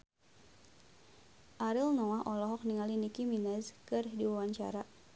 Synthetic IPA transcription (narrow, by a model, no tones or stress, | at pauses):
ʔaɾilnɔwaɦʔɔlɔɦɔk̚niŋalinikiminɛzkɨrdiwawaɲt͡ʃa̰ɾa